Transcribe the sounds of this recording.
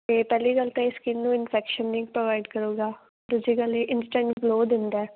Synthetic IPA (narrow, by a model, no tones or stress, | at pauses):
t̪eːpɛːliːkəlt̪ẽɪskiːmnũːɪnpʰɛːkʃənːiːɡ̚pɾoʋaːɪɖkəɾuːɡaː | ɾʊd͡ʒiːkəleːʔɪnsʈɛ̃ɳʈbloːd̪ɪnd̪aː